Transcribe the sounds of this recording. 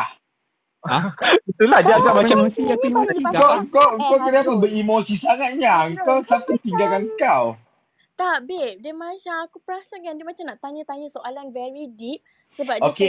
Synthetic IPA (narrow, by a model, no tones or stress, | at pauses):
it̪uladiəaɡaʔmat͡ʃamiɡat̪iŋɡakakoŋkakadaŋpənbəimosisaŋat̪̚ɲaŋkawsampət̪iŋɡalkankaw | t̪aʔbidəmãʃamakupəɾasakandiəmat͡ʃamnaʔt̪aɲət̪aɲə̃soʔalanvɛɹidip̚ | səbap̚oke